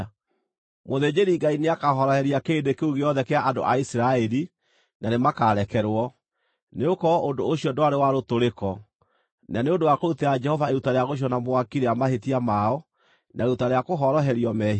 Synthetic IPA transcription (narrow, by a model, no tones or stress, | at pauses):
moðed͡ʑeɾiɡaineakaɦɔɾɔhɛɾiakeːndekeuɣeɔðɛkeaʔado̰ʔaisiɾaɛɾi | nanemakaɾɛkɛɾwɔ | neokɔondoːɕiɔndoaɾewaɾotoɾekɔ | naneondowakoutead͡ʒɛhɔvaeɾutaɾeaɣoɕ̬iɔnamoakiɾeamahetiamaɔ | nʔaeɾutaɾeakoɦɔɾɔɦɛɾiɔmɛɦ